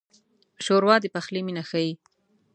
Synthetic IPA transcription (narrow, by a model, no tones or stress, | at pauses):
ʃoɾwɑd̪epaxliminaxaji